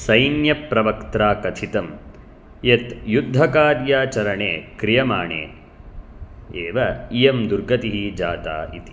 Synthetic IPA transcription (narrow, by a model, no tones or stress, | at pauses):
sɐjnjɐpɾɐʋɐkt̪ɾaːkɐt̪ʰit̪ɐm | jet̪jud̪ʱːɐkaːɾjaːt͡ʃɐɾɐɳeːkɾijɐma̰ːɳḛː | eːʋɐijɐmd̪uɾɡɐt̪iɦid͡ʒaːt̪a̰ːḭt̪i̥